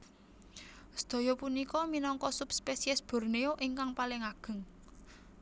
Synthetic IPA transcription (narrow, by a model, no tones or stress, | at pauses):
sə̥d̪̥ɔ̤jɔpunikɔminɔŋkɔsupspesiɛsb̥ɔ̤rneoʔiŋkaŋpalɪŋaɡ̥ə̤ŋ